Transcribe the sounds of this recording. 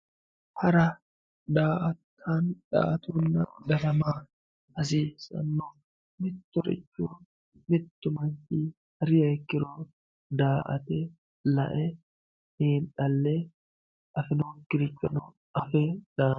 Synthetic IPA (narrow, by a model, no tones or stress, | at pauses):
hɐɾɐ | d̪aːʔɐt̪ʰːaːnᶑa̰ːɐt̪uːnːɐ̰d̪ɐɾɐmaː | ɐs̬iːsɐ̰nːo | mɪt̪ːɔɾɪ̰t͡ʃːuː | mɪt̪ːʊmɐnt̪iː | hɐɾɪjɐjkːɪɾoː | d̪aːʔɐ̰t̪ɛ | lɐ̰ʔɛ | heːnᶑɐlːe | ʔɐfɪnoːkɪɾɪt͡ʃːɐnʊ | ɐfɛd̪̥aː